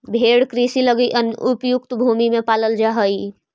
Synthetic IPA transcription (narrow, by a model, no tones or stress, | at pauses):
bʱeːɽkɾisiləɡiʔənʊpjʊk̚t̪bʱuːmimẽpaːləld͡ʒaɦəi